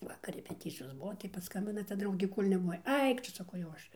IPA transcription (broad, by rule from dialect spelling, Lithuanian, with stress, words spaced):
ˈʋɑːkɐr rʲɛpʲɛˈtʲɪt͡sʲɪjoːs ˈbʊʋoː tɐɪ pɐˈskɐmʲbʲɪnɐ tɐ ˈdrɐʊɡʲeː ˈkoːlʲ nʲɛbʊˈʋɐɪ ˈɐɪk tʊ sɐˈkɐʊ jɛʊ ˈɐʃ